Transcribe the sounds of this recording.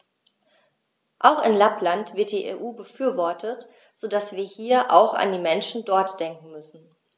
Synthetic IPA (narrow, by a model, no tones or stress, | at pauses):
ʔaʊxɪnlaplantv̥ɪɐt̚d̥iːʔḛːʔuːbəfyːɐvɔɐtʰət | z̥oːdasv̥iːɐhiːɐʔa̰ʊxa̰ndiːmɛnʃn̩dɔɐtd̥ɛŋkŋ̩mʏsn̩